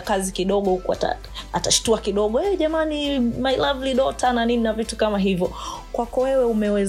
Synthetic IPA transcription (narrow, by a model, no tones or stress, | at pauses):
kazikiɗɔɠɔhukua̰ta̰ | ataʃi̥tuakiɗɔɠɔɛʄamanimajlavliɗɔtʰananininavitukamaɦivjɔkwakɔwɛwɛumɛwɛz